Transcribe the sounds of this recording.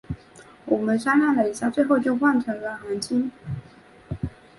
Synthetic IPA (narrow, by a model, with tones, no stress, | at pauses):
wɔ˨˩mə˦nʂa˥nna˥˩nlə˩i˧˥ɕja˥˧t͡swe˥˧ɪxo˥˧ʊt͡ɕjo˥˧ʊxwa˥˩nt͡ɕʰɛ˧˥a˧˥nxa˧˥nt͡ɕʰi˥n